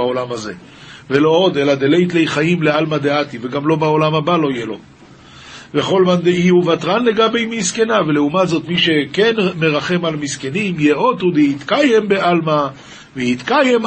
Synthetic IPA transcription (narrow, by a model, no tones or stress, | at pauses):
aolamaze̞̰ | velo̞o̞d̪e̞lad̪elejt̪lejχajimlealmad̪eat̪iveɡamlo̞baolamabalo̞ijelo̞ | veχo̞lmand̪eiuvat̪ʁanle̞ɡabejmiske̞naveleumatzo̞t̪miʃe̞ke̞nme̞ʁaχe̞malmiske̞nimjeʔo̞t̪ud̪eit̪kajembe̞ʔalma | vehit̪kajem